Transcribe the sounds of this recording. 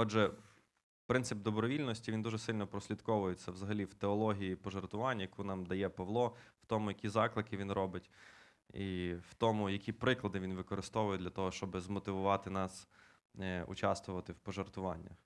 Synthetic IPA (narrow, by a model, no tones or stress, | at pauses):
ɔʒɛ | pɾɪnsɪb̚d̪ɔbɾɔʋʲilʲnɔsʲtʲiʋʲind̪uʒɛsɪlʲnɔpɾɔsʲlʲid̪kɔʋʊjet͡sʲːɐʋzɐɦɐlʲiwt̪eɔlˠɔɦʲijipɔʒɔrt̪ʊʋɑnʲːɐjɐkunɑmd̪ɐjɛpɐʋlˠɔw̥t̪ɔmʊjɐkʲizɑklˠɪkɪʋʲinɾɔbɪtʲ | iw̥t̪ɔmʊjɐkʲipɾɪklˠɐd̪ɪʋʲinʋɪkɔɾɪst̪ɔʋʊjɛd̪ʲlʲɐt̪ɔɦɔʃt͡ʃɔbɪzmɔt̪ɪʋʊʋɑt̪ɪnɑs | ʊ̰t͡ʃɑst̪ʋʊʋɐt̪ɪwpɔʒɔrt̪ʊʋɑnʲːɐ̰